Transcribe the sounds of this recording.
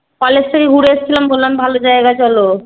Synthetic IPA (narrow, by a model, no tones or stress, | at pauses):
kɔlest̪ʰekeɡʱuɾeeʃt͡ɕʰilambolːambʱalod͡ʑaeɡat͡ɕɔlo